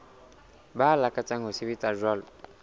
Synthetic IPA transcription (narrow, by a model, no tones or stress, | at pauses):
balakat͡saŋosiβitaʒɔl